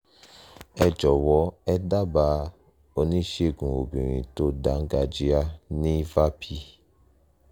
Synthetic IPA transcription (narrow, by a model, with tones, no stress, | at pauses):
ɛ˧d͡ʒɔ˨wɔ˨˦ɛ˦da˦ba˧˦ | o˧nĩ˦ʃe˦˨ɡũ˨o˨bĩ˨ɾ̃ḭ̃˨to˦da˨˦ŋ̩˦ɡa˧d͡ʒi˦a˦nĩ˦va˦pʰi˧